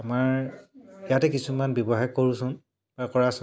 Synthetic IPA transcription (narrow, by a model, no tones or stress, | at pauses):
amaɹ | jatɛkisumanbɔbɔɦajkːoɹũsʊ̃n | b̥akɔɹasʊ